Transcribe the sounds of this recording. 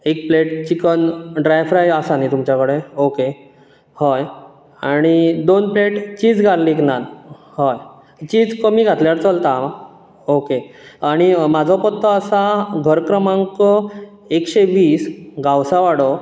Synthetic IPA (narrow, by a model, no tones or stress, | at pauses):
ek̚pleʈt͡ɕikənɖɾajfɾajasanit̪umt͡ɕakəɽeoke | həj | aɽ̃id̪onpleʈt͡ɕiːd͡zɡʱaɾliknal | həj | t͡ɕid͡zkəmiːɡʱat̪ljaɾt͡səlt̪a | okeaɽ̃imad͡zʱɔpət̪ʰːəəsaɡʱəɾkɾəmãŋkɔ | ekɕeʋiːsɡʱawsaʋaɽɔ